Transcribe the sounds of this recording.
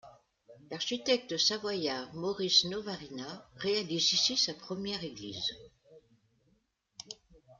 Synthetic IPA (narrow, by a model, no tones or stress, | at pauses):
laʁʃit̪ɛk̚t̪əsavwajaʁmɔʁisnovaʁinaʁealizisisapχəmjɛʁeɡlḭz